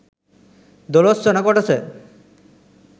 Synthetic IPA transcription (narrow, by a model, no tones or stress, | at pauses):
d̪olost͡ɕɔnakoʈat͡ɕʰe